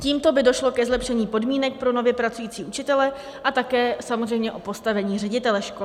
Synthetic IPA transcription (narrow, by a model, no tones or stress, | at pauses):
ciːmt̪o̞bɪdo̞ʃlo̞kɛzlɛpʃɛɲiːpo̞dmiːnɛk̚pɾo̞no̞vjɛpɾat͡sujiːt͡siːʔut͡ʃɪt̪ɛlɛ | ʔat̪akɛːsamozrɛjmɲɛʔo̞po̞st̪avɛɲiːrɛɟɪt̪ɛlɛʃko